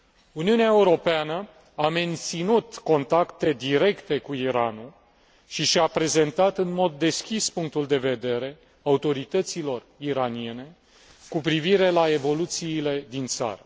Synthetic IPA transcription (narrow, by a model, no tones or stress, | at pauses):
uniuneaeuɾo̞peanə | ame̞nt̪sinut̪ko̞nt̪akt̪e̞d̪iɾe̞kt̪e̞kuiɾanul | ʃiʃapɾe̞ze̞nt̪at̪ɨnmo̞d̪ːe̞skʲispuŋk̚t̪uld̪e̞ve̞d̪e̞ɾe̞ | aut̪o̞ɾit̪ət̪silo̞riɾanie̞ne̞ | kupɾiviɾe̞lae̞vo̞lut̪siːle̞d̪int̪sa̰ɾə